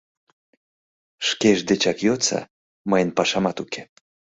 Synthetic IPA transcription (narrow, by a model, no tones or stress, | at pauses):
ʃkeʒd̪et͡ɕɑkjot͡sɑ̰ | məjənpɑʃɑmɑt̪ukʰe̥